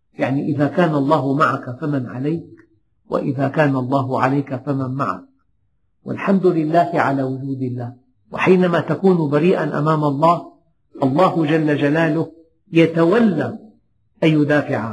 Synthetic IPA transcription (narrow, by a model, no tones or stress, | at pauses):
jaʕniʔɪðaːkaːnalˤːɑːhʊmaʕakafamanʕa̰lajk | wa̰ʔɪðaːkaːnalˤːɑːɦʊʕalajkafamanmaʕa̰k̚ | wa̰lħamd̪ʊlɪlːaːhɪʕalaːwʊd͡ʒuːd̪ɪlːaːh | wa̰ħiːnamaːt̪akuːnbaɾiːʔanʔa̰maːmalˤːɑːh | ʔɑlˤːɑːhʊd͡ʒalːad͡ʒalaːlʊh | jat̪awalːaː | ʔajjʊd̪aːfɪʕa